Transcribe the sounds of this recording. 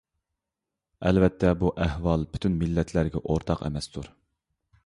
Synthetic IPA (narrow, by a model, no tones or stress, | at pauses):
ɛlvɛt̪ʰːɛbuʔæhwɑlˠpy̥t̪ʰynmilːɛt̪ʰlæɾɡʲɛʔoɾt̪ʰɑqɛ̰mɛst̪ʰuɾ